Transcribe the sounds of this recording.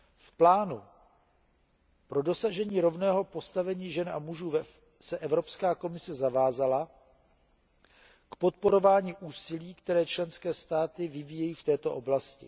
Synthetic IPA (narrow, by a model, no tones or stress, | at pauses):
fplaːnu | pɾo̞do̞saʒɛɲiːɾo̞vnɛːɦo̞po̞st̪avɛɲiːʒɛnʔa̰muʒuːvɛ | sɛʔɛvɾo̞pskaːko̞mɪsɛzavaːzala | kpo̞t̪̚po̞ɾo̞vaːɲiːʔuːsɪliːkt̪ɛɾɛːt͡ʃlɛnskɛːst̪aːt̪ɪvɪvijɛjiːft̪ɛːt̪o̞ʔo̞blascɪ̰